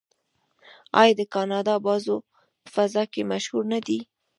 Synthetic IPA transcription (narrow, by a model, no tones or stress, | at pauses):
ɑ̰jɑd̪əkɑnɑd̪ɑbɑzo | pə̥fazɑkemaʃhuɾnad̪i